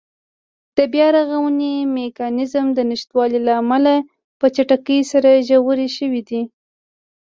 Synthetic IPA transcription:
d̪̥əbjɑɾaɣawənimekɑnɪzmd̪ənɪʃt̪wɑlilaːmala | pət͡ʃaʈakəjsaɾaʒawəɾeʃəwid̪i

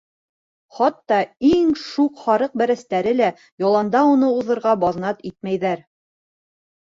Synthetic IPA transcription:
χɑt̪ːɑiŋʃuqχɑɾɤq̚bæɾæst̪æɾɘlæ | jɑlˠɑnd̪ɑunɤuðɤ̆ɾʁɑbɑðnɑt̪it̪̚mæjðæɾ

